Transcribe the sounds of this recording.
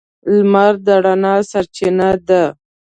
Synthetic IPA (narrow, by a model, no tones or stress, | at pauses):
lmaɾd̪aɽanɑsaɾt͡ʃɪnad̪a